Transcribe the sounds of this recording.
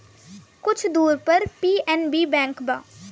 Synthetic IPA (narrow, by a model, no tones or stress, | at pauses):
kʊt͡ʃʰd̪uːɾpəɾpiːɛːnbiːbɛ̃ːŋkbaː